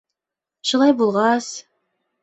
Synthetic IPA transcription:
ʃulˠɑjbulˠʁɑs

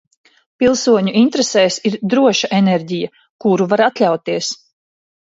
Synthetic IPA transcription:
pilˠsuɔɲuint̪ɾesɛːjsiɾd̪ɾuɔʃaʔeneɾɟija | kuɾuvaɾat̪lʲawt̪iɛs

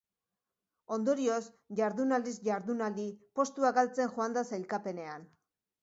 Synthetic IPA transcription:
o̞nd̪o̞ɾio̞s | ʝaɾðunald̪isʝaɾðunald̪ipo̞st̪uakalt͡se̞ŋʝoand̪asajlkape̞ne̞an

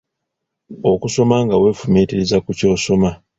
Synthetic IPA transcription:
o̞kuso̞maŋɡawe̞ːfumiːtiɾizakuco̞ːso̞ma

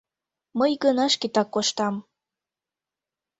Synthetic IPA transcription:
məjɡənɑʃkit̪ɑkːoʃt̪ɑm

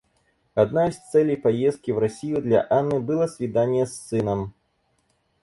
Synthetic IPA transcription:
ad̪najst̪sɛlʲɛjpajɛst̪̚kʲivɾasʲijud̪lʲɐ̰ʔanːɨbɨlˠɐsʲvʲid̪anʲːjɛsːɨnɐm

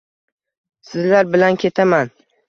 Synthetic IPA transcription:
sɪzlaɾbɪlankʲʰe̞t̪ʰaman

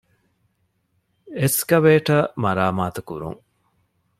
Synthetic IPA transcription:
eskɐʋeːʈɐmɐɾaːmaːt̪ukuɾṵŋ

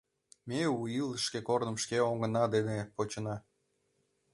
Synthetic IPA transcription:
meujiləʃkekornəmʃkeoŋənɑd̪enepot͡ɕənɑ

